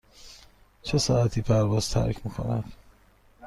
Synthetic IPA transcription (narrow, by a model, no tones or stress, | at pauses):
t͡ʃʰesɒːæt̪ʰiːpʰæɾvɒːz̥t̪ʰæ̰ɾcʰmikʰo̰næ̰d̪̥